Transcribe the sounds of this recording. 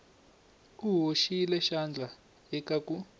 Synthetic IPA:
uɦoʃilɛʃand͡ɮʱa | ɛkakʼu

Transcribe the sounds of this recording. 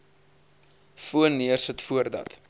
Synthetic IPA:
fuənːiərsətfuərdɐ̰t

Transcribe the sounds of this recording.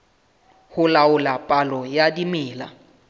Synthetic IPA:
hʊlaʊlapʼalɔjadimɪːla̰

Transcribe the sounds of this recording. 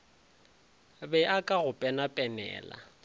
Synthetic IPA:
bɛʔakʼaɣʊpʼɛnapʼɛnɛ̰ːla̰

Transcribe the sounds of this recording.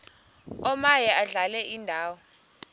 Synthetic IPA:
ɔmajɛʔaɮalɛʔindʱaːwɔ

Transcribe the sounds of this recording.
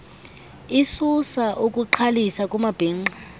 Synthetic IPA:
isusaʔukʼuǃʰalisakʼumab̥ʱeŋ͡ǃa

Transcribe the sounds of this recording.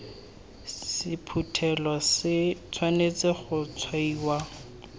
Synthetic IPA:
sɪpʰutʰɛlɔsɪt͡sʰwanet͡sɪχʊt͡sʰwaiːwa

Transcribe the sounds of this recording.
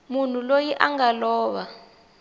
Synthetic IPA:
mun̤ulojiʔaŋɡalɔːɓa

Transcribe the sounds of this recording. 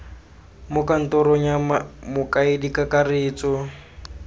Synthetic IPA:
mʊkʼan̩tɔɾɔɲammʊkʼaɪdikʼakarɪːt͡sʼɔ

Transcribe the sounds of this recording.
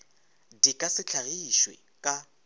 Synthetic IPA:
dikʼasɪt͡ɬʰaɣiʃwḛ | kʼa

